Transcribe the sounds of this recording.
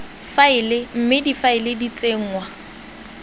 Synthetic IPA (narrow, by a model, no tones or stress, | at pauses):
faɪlɪm̩mɪdifaɪlɪdit͡sʼeŋ̩ːŋwa